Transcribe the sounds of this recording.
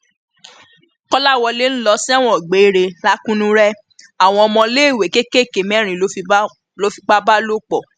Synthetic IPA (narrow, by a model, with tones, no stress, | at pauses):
kɔ˦la˦˨wɔ˧le˦ñ̩˦lɔ˧si˦a˦˨w̃ɔ̃˦˨ɡ͡be˨˦i˦ɾe˧la˦kũ˦nũ˦ɾɛ˦ | a˦˨w̃ɔ̃˧ɔ˧mɔ̃˧le˦˨we˨ke˦ke˦˨ke˨mɛ̃˨˦ɾ̃ĩ˨o˦˧˦ | lo˦fi˧k͡pa˦ba˦lo˦k͡pɔ˦˨